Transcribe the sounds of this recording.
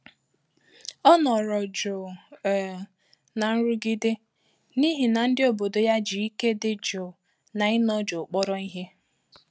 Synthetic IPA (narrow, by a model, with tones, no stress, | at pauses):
ɔ˦nɔ˨ɾɔ˨d͡ʒo˨ | na˨n̩˦ɾʊ˦ɡi˦dɪ˦ | ni˦ɦi˨na˨n̩˦dɪ˦o˨bo˨do˨ja˦d͡ʒi˨i˦ke˦dɪ˦d͡ʒo˨ | na˨ɪ˦nɔ˦d͡ʒo˨k͡pɔ˦ɾɔ˦i˦ɦe˦